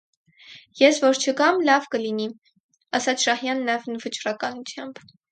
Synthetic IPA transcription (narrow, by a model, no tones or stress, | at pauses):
jɛsvɔɾt͡ʃʰəkɑmlɑvkəlini | ɑsɑt͡sʰʃɑhjɑnːɑjɛvnvət͡ʃrɑkɑnut͡sʰjɑmb